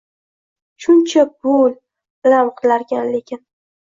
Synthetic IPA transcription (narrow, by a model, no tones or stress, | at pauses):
ʃʊnt͡ʃʰabol | lamqʰɨlaɾɡʲanle̞kʲʰɪn